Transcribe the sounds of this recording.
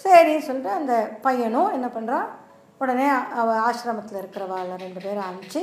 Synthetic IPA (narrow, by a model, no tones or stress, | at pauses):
seːɾinɯsɔlːɪʈːɯɐnd̪ɐpɐjɐɳõɛnːɐpɐɳːɾãː | ʊɽɐneːɐʋɐ̃aːʃɾɐmɐt̪ːɪlɪɾɯkːɪɾɐʋaːlɐɾɛɳɖɯpeːɾɐnd͡ʒi